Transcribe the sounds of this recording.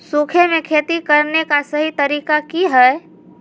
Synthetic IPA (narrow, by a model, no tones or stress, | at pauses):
sukʰemẽkʰeːt̪ikɐɾnekasɐɦit̪ɐɾiːkakiɦɛː